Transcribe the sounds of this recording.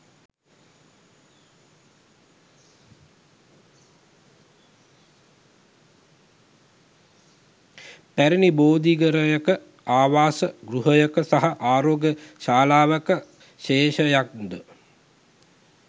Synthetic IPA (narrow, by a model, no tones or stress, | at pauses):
pæɾiniboːd̪iɡəɾəjəkə | aːʋaːsəɡɾuɦəjəkəsaɦaʔaːɾoːɡjəʃaːlaːʋəkə | ʃeːʃəjak̚d̪ə